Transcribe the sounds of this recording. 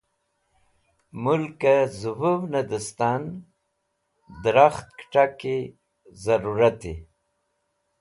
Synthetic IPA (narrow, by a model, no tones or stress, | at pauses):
mʊlkazubuwnad̪əst̪an | d̪ɾaxt̪̚kʈake | zaɾuɾat̪ḛ